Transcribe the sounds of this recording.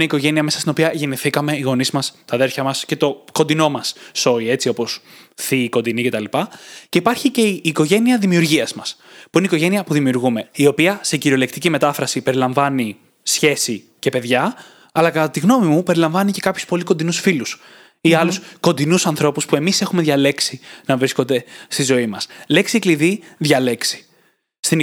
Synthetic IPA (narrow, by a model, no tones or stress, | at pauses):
neiko̞ʝe̞niɐme̞sɐst̪ino̞piɐʝe̞niθikɐme̞iɣo̞nizmɐst̪ɐðe̞ɾfçɐmɐsce̞t̪o̞ko̞nd̪ino̞mɐsːo̞ie̞t͡sio̞po̞sθiko̞nd̪inice̞t̪ɐlipɐceipɐɾçice̞iːko̞ʝe̞niɐðimiuɾʝiɐzmɐspuineikoʝe̞niɐpuðimiuɾɣume̞io̞piɐse̞ciɾio̞lekt̪icime̞t̪ɐfɾɐsipe̞ɾilɐɱvɐni | sçe̞si | ce̞pe̞ðʝɐ | ɐlɐkɐt̪ɐt̪iɣno̞mimupe̞ɾilɐ̃ɱvɐnice̞kɐpçu̥spo̞liko̞nd̪inusfilus | iɐlusko̞nd̪inusɐnθɾo̞puspue̞mise̞xume̞ðʝɐle̞ksinɐvɾisko̞nd̪e̞st̪izo̞imɐsle̞ksiekliðiðʝɐle̞ksi̥ | st̪in